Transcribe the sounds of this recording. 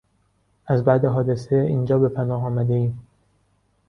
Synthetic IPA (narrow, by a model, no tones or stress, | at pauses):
ʔæzbæd̪e̞ɦɒːd̪eseiːnd͡ʒɒːbe̞pʰænɒːɦɒːmæd̪e̞iːm